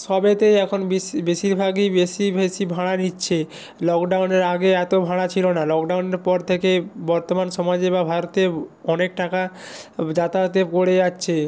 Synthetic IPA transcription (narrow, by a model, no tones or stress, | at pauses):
ʃɔbet̪ejɛkʰonbibeʃiɾbʱaɡibeʃibeʃibʱãɽanitːɕʰe | lɔkɖawneɾaɡeɛt̪obʱãɽat͡ɕʰilonalɔkɖawneɾpɔɾt̪ʰekebɔɾt̪omanʃɔmad͡ʑebabʱaɾot̪eɔnek̚ʈakad͡ʑat̪at̪ekoɽeatːɕʰe